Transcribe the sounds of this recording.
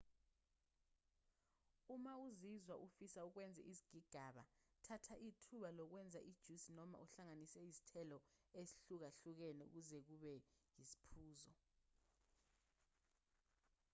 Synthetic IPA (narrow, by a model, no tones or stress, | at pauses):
umauzizwaʔufisauk̬wɛnd͡zʱɛ̰ʔizi̥ɡ̥ʱiɡ̥ʱaɓa̰tʰatʰaʔitʰuɓalɔk̬wɛnd͡zʱaʔid̥ʒ̥ʱusinɔma̰ʔuɬaŋanisɛizi̥tʰɛlɔesi̥ɬuk̬aɬuk̬ɛnɛṵk̬uzɛk̬uɓɛjizi̥pʰuːzɔ